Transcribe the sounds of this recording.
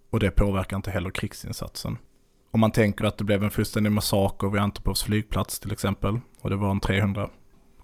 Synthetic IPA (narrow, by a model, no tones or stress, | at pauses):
ɔd̪ɛpʰoːvæɾkaɪnt̪əɦɛlːəɾkʰɾɪksɪ̰nsa̰t̪sə̰n | ɔmant̪ʰɛŋkəɾat̪̚d̪ɛblɛvɛnfɵlst̪ɛnd̪ɪɡmasɑːkəɾvɪant̪əpʰɾɔːfsflyːɡ̚pʰlat̪st̪ʰɪlɛksɛmpəl | ɔd̪ɛvaɾɛnt̪ʰɾeːhɵnd̪ɾa